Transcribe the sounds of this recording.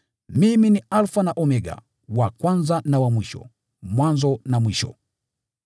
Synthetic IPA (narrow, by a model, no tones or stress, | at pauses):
miminialfanaʔɔmɛɡa̰ | wakwanzanawamwiʃɔ̰ | mwanzɔnamwiʃɔ̰